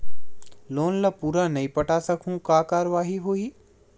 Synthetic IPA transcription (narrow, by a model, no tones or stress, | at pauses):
loːnlɐpuːɾanɐĩpɐʈasɐkʰũkaːkaːɾʋaːɦiɦuiː